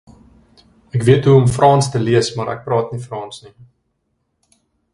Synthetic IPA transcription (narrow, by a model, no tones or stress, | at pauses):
ækviətɦuɔmfrʔɑːnstəliəsmɐɾæ̰k̚prɑːtnifrɑːnsni